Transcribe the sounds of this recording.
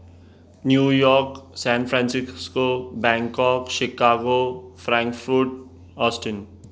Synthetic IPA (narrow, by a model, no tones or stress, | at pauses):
njuːjɔːɾksɛ̃ːnfʰɾɛ̃ːnsɪskobɛ̃ŋkɔːkʃɪkaːɡofɾɛ̃ŋkfɾuʈ | ɔːsʈən